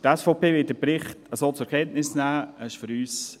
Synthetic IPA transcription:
tɛsfoʊpeːʋɪt̚dəpɾɪχtəsoːt͡sʊɛɾkʰɛntnɪsnæːɛɪʃfʏɾyːs

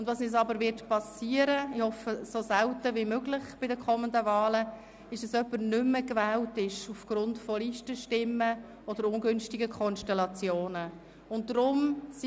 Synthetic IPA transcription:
ʊndvɑːsnɛsɑbəɾvɪtpʰɑsiːəɾəɪhɔfəsosɛwtəvimøːɡlɪχb̥ɪdəkʰɔməndəvɑːlə | ɪʃd̥ɑsœpːəɾnʏmːəkvɛːltɪʃufɡ̥rʊntfɔliːʃtəʃtɪmːə | ɔd̥əɾʊnɡʏnʃtɪɡəkʰɔnʃtɛlɑt͡sjoːnə | ʊnt̚dɾʊms

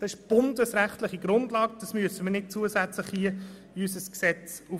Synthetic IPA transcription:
d̪̥ɑsɪʃb̥ʊndəsɾæχtlɪχiɡɾʊndlɑːɡ̚d̥̪ɑsmyəsəməɾnɪt̚t͡suəsæt͡slɪχhiə | ysəsksɛt͡su

